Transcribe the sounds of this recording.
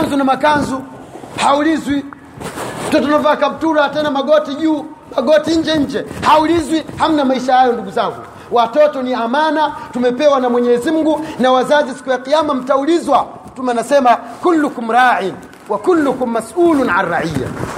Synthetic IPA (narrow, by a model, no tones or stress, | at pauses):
anzunamakanzu | haulizwi | atɔt̬ɔnavakab̚tuɾatɛnamaɡɔtiʄuː | maɡɔtiɲ̩d͡ʒɛɲ̩d͡ʒɛhaulizwiham̩namaiʃahajɔnduɡuzaŋɡu | watɔtɔniamanatumɛpɛwanamwɛɲɛzim̩ɡunawazazisi̥kujaqijamam̩taulizwa | tumɛnasɛmakulːukum̩ɾaːʕin | wakulːukum̩ːasulunaraija̰